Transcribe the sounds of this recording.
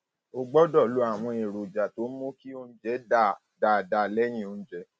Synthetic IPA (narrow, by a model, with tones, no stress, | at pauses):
o˧ɡ͡bɔ˦dɔ˦˨lu˨˦a˦˨w̃ɔ̃˧e˨ɾo˨d͡ʒa˨to˨˦mõ˦ki˦o˧ñ̩˦d͡ʒɛ˨˦da˦˨ | da˨da˨lɛ˦j̃ĩ˦˨o˧ñ̩˦d͡ʒɛ˨˦